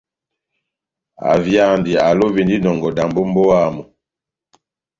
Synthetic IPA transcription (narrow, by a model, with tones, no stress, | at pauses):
a̰˨vja˦˨ndi˨a˨lo˦bi˨ndi˦nɔ˨ŋɡɔ˨da˨mbo˦m˦bɔ˦a˦˨mɔ˨